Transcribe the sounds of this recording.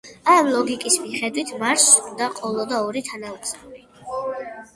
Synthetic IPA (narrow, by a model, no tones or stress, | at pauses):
amlˠɔɡikʼismiχɛd̪wit̪ʰmaɾsud̪aqʼɔlˠɔd̪aɔɾit̪ʰanaut̪sʼali